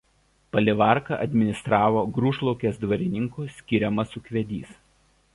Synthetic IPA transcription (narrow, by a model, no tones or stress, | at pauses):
pɐlʲɪʋɑˑɾkɐʔɐd̪ʲmʲɪnʲɪst̪ɾɑːʋoːɡɾuːʃlˠɔʊkʲeːsd̪ʋɐɾʲɪnʲɪŋkusʲkʲɪɾʲɛmɐsʊkʲʋʲɛd̪ʲḭːs